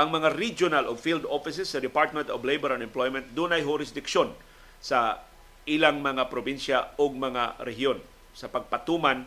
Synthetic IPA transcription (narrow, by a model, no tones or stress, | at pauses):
ʔɐŋmɐŋaɾid͡ʒʊnalovfild̪ofɪsɪsːɐd̪ɪpaɹt̪̚mɛ̃nt̪oblejbɛɾɐnɛmplojmɛnt̪̚d̪ʊnɐjɦʊɾɪsd̪ɪkʃon | sɐ | ʔɪlaŋmɐŋapɾobinʃaoɡ̚mɐŋa̰ɾɛɦjo̞n | sɐpɐɡ̚pɐt̪uːman